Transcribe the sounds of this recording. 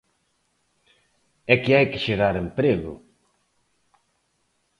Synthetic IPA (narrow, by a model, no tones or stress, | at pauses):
ɛkɪajkɪ̥ʃeɣaɾempɾeɣʊ̰